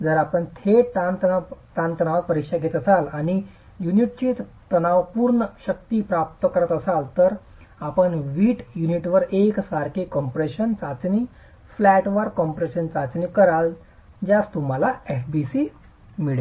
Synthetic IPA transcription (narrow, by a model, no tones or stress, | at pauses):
d͡zəɾapəɳt̪ʰetanʈ̪ant̪ənaʋak̚pəɾikʂaɡʱet̪əsalaɽ̃i | juniʈ̚t͡ɕit̪ənaʋpuːɾɳəɕək̚t̪iːpɾap̚t̪əkəɾət̪əsalt̪əɾ | apəɳʋiːʈjuniʈʋəɾeksʋaɾkʰekɔmpɾeɕənt͡sat͡sniː | flæʈʋəɾkɔmpɾeɕənt͡sat͡sniːkəɾal | d͡ʑjast̪um̤alaefbisi | miɭe